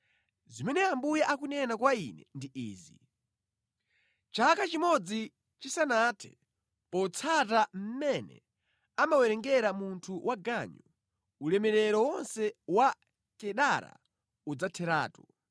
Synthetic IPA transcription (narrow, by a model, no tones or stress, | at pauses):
zimɛnɛambujaʔakunɛnakwainɛ̰ndiiːzi | t͡ʃakat͡ʃimɔd͡zi | t͡ʃisanatʰɛ̥̰ | pɔt͡sʰatam̩mɛnɛ̰ | amawɛɾɛŋɡɛɾamuntʰuwʔaɡaɲɔ | ulɛmɛɾɛɾɔwɔnsɛwa | kɛɗaɾa̰ | ud͡zatʰɛɾa̰ːtɔ